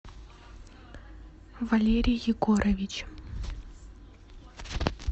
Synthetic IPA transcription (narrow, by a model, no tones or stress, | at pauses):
vɐlʲeɾʲɪjjɪɡoɾɐvʲɪt͡ɕ